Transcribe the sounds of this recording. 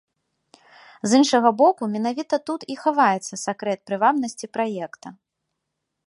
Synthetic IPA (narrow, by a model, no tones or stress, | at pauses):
zɨnʂɐɣɐbɔkumʲɛnavʲit̪ɐt̪ut̪ixavajɛt̪sːɐsakɾɛt̪̚pɾɨvabnɐsʲt͡sʲipɾajɛkt̪ɐ